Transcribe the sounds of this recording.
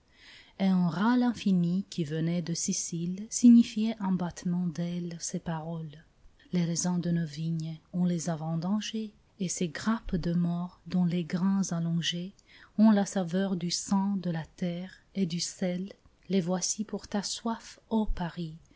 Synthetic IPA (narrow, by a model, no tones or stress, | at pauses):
eɛ̃ʁalɛ̃finikʲʰivənɛd̪əsisilsiɲifijɛʔɑ̃bat̪mɑ̃d̪ɛlsepaʁɔl | leʁɛzɔ̃d̪ənoviɲɔ̃lezavɑ̃d̪ɑ̃ʒeː | seɡʁapd̪əmɔʁd̪ɔ̃leɡʁɛ̃zalɔ̃ʒe | ɔ̃lasavœʁd̪ysɑ̃d̪əlat̪ɛʁ | ed̪ysɛlː | evwasipuʁt̪aswafopaʁi